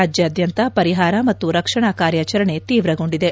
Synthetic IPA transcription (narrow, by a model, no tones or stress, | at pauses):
aːd͡ʒjɐːd̪jɐnt̪ɐpɐɾiɦaːɾɐmɐt̪ːuɾɐkʂɐɳakaːɾjat͡ʃɐɾɐɳe̞t̪iːʋɾɐɡo̞ɳɖid̪e̞